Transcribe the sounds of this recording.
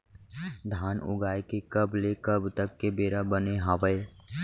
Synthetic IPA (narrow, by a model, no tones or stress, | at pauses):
d̪ʱaːnʊ̰ɡaːjkekəblekəbt̪əkːebeːɾabəneɦaʋəe